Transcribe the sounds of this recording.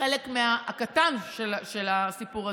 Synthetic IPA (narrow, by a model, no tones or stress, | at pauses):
elekmeakatanʃelʃe̞lasipuʁa